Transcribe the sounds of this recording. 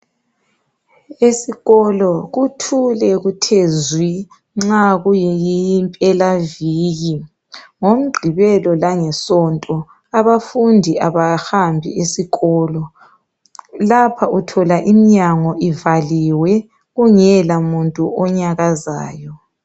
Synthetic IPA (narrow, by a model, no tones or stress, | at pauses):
esiɣɔlɔɣutʰulɛɣutʰezwi | ŋ͡ǁaɣujɛjijimpʼɛlaviːɣi | ŋom̩ɡ͡ǃʱiβɛlɔlaŋɛsɔntʼɔ | aβafundʱiaβahambʱḭesiɣɔːlɔ | lapʰaʔutʰɔlaʔimiɲaŋɔʔivaliwɛ | ɣuŋɛlamuntʼuɔɲaɣaza̰ːjɔ